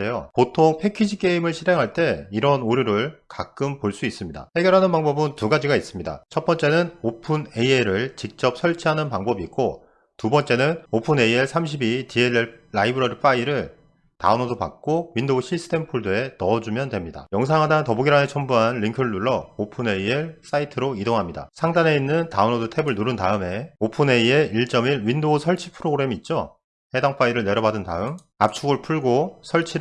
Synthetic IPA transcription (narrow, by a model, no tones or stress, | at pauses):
ejopotʰoŋpʰe̞kʰid͡ʑʰik͈e̞imɯɭɕʰiɾɦe̞ŋɦaɭt͈e̞iɾʌnoɾjoɾɯɭkak͈ɯmpoɭs͈uis͈ɯmɲida̰he̞ɡeɾɦanɯnpaŋbʌbɯntuɡad͡ʑiɡais͈ɯmɲida̰t͡ɕʰʌt̚p͈ʌnt͡ɕ͈e̞nɯnopʰune̞ieɾɯɭt͡ɕik̚t͡ɕ͈ʌp̚sʰʌɭt͡ɕʰiɦanɯnpaŋbʌbiːk̚k͈o | tubʌnt͡ɕ͈e̞nɯnopʰɯne̞ieɭsʰamɕ̬ʰibitie̞neɭːaibɯɾʌɾɯp͈aiɾɯɭ | ta̰unodopa̰k̚k͈oɥindoɕʰis͈ʰɯ̥tʰe̞mpʰuɭdoe̞nʌd͡ʑumjʌndwe̞mɲida̰jʌŋs̬ʰaŋɦadatʌbuɡiɾanet͡ɕʰʌmbuɦanɾiŋkʰɯɾɯɭnːuɭːʌopʰɯne̞ieɭs͈aitʰɯɾoidoŋɦamɲida̰sʰaŋdane̞inːɯntaɯnodotʰe̞bɯɭnuɾɯntaɯme̞opʰɯne̞ie̞iɭt͡ɕ͈ʌmiɾwindosʰʌɭt͡ɕʰipʰɯɾoɡɾe̞miːt̚t͡ɕ͈o | he̞daŋp͈aiɾɯɭne̞ɾjʌbadɯnta̰ɯm | a̰p̚t͡ɕʰuɡɯɭpʰuɭɡosʰʌɭt͡ɕʰi